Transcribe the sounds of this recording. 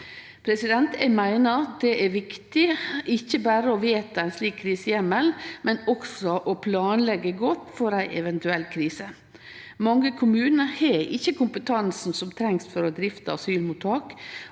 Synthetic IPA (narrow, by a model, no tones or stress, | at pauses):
pʰɾɛsɪd̪ɛnt̪ɛmæɪnəd̪ɛʔæɾʋɪkt̪ɪɪçːəbæːɾəɔʋeːt̪əæɪnsliːkʰːɾiːsəjɛmːəlmɛnɔksɔʔɔpʰlɑːnlɛɡəɡɔt̪ːfɔɾæɪʔɛʋɛnt̪ʉɛlkʰɾiːsə | mɑŋːəkʰʊmʉːnəheɪ̰çːəkʊmpət̪ʰɑnsn̩sɔmt̪ʰɾɛŋsfɔɾɔd̪ɾɪft̪əɑsyːlmut̪ʰːɑːk